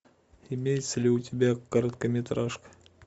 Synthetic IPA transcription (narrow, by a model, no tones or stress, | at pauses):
ɪmʲejɪt̪səlʲɪʊtʲɪbʲækɐɾət̪kəmʲɪt̪ɾaʂkə̥